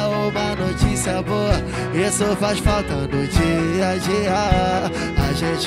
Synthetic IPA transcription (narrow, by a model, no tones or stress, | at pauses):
uõmɐnot͡ʃisiɐboɐ | esʊfaʃfawt̪ɐd̪ʊd͡ʒiad͡ʒia | aʒẽt͡ʃ